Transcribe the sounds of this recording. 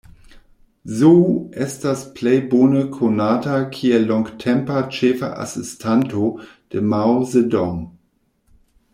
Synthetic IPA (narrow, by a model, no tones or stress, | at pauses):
zoːʔɪst̚d̥aspʰlɛɪboːnəkʰonaːtʰakʰiɐlɔŋktʰɛmpɐt͡ʃɛːfɐ̰ʔa̰sɪstʰantʰod̥əmaʊzedɔŋ